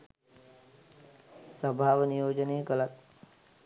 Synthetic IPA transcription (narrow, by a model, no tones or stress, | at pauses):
səbʱaʋnijoːd͡ʒəneːɡələt̪̚